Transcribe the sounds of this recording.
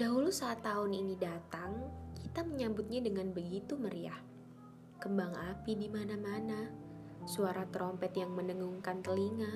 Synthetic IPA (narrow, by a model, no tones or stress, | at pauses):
d̥aɦulusaːt̪ːaʊninidat̪aŋkit̪aməɲambʊt̪̚ɲadəŋanbəɡit̪uməɾia̰h | kəmbaŋapidimanamana | suaɾat̪ɾɔmpɛt̪jaŋmənəŋuŋkant̪əliŋa